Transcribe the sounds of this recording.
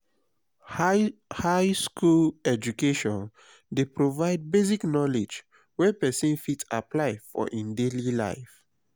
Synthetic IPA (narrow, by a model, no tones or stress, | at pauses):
haɪskulɛd͡ʒukeʃɔ̃n | depɹovaɪd̚beziknɔled͡ʒ | wɛpɛsɔ̃nfitsapʰlaɪfɔ̰ʔĩndelila̰ɪf